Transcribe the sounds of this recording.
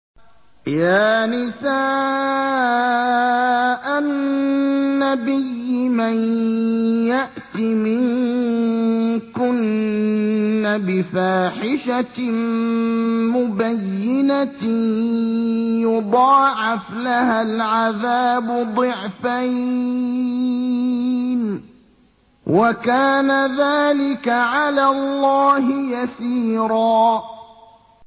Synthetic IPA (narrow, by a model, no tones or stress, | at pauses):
jaːnɪsaː | ʔannːabɪjːɪman | jaʔt̪imɪŋ | kʊn | abɪfaːħɪʃa | mʊbajːɪna | jʊd̪ˤɑːʕɪflahalʕaðaːbʊd̪ˤɨʕfaj | n | wʔakaːnaðaːlɪkaʕalaːlˤːɑːɦɪjasiːɾˤɑː